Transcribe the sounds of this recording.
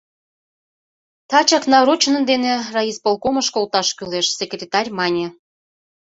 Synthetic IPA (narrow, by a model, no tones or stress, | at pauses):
t̪ɑt͡ɕɑknɑɾot͡ɕnə̆nd̪enerɑispolˠkomə̆ʃkolt̪ɑʃkyleʃsʲekrʲet̪ɑrʲmɑnʲe